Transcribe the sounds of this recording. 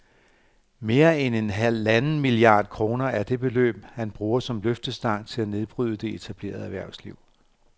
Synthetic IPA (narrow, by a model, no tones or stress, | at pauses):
me̝ːɐene̝nɦælænn̩miliɑ̰̈ːd̥kʰʁo̝ːnɐæɐd̥e̝b̥e̝lø̰ːb̥hænb̥ʁuːɐsɒ̽mløfd̥əsd̥ɑ̈ŋ̰t͡sʰe̝læne̝ð̞ˠb̥ʁyð̞ˠəd̥e̝et͡sʰæb̥le̝̰ːɐð̞̩ˠæʋæɐ̰sliʊ̰